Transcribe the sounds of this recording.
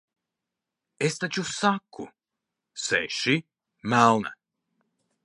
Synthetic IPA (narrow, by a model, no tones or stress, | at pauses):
est̪at͡ʃusakːṵ | sɛʃi | mælˠna̰